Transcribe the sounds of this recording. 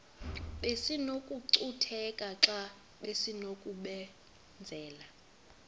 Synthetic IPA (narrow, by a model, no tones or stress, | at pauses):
ɓesinokʼuǀutʰɛkʼaǁa | ɓesinokʼuɓɛ | nd͡zʱɛːla